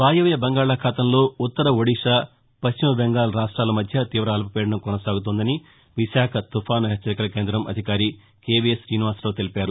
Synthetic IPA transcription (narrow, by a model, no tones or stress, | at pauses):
ʋaːjuʋjɐbɐŋɡaːɭaːkʰaːt̪ɐmlo̞ːut̪ːɐɾɐʋɐɽiʂaː | pɐʃt͡ʃimɐbɛŋɡaːlɐɾaːʂʈɾaːlɐmɐd̪ʱjɐt̪iːʋɾɐːlpɐpɛːɽɐɳɐmkɔnɐsaːɡut̪̬oːnd̪ɐni | ʋiʃaːkʰɐt̪ufʰaːnɐɦɛt͡ʃːɐɾikɐlɐke̞ːnd̪ɾɐmɐ̰d̪ʱikaːɾi | keːbiesɾiːniʋaːslo̞ːt̪elipaːɾu